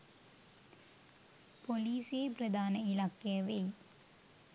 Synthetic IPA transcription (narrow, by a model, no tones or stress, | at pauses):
poliːsjeːpɾɐd̪aːnɐɪlaːkːɐjɐʋeː